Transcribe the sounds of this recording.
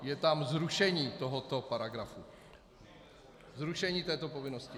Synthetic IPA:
jɛt̪amzɾuʃɛɲiːt̪o̞ɦot̪o̞paɾaɡɾafu | zɾuʃɛɲiːt̪ɛːt̪o̞po̞vɪno̞scɪ

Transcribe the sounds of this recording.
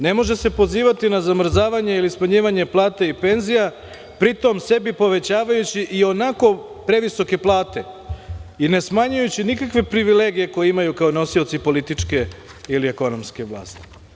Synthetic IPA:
ne̞mo̞ʒese̞po̞ziːʋat̪inazamr̩zaːʋaɲe̞ilismaɲiːʋaɲe̞plˠaːt̪aipe̞nzija | pɾit̪o̞mse̞bipo̞ʋe̞t͡ɕaːʋajut͡ɕiʔio̞nako̞ | pɾe̞ʋiso̞ke̞plˠaːt̪e̞ | ine̞smaɲujut͡ɕinikakʋe̞pɾiʋileːɡije̞ko̞jeimajukaono̞sio̞t̪sipo̞lit̪it͡ʂke̞ | ilieko̞no̞mske̞ʋlˠa̰ːst̪i̥

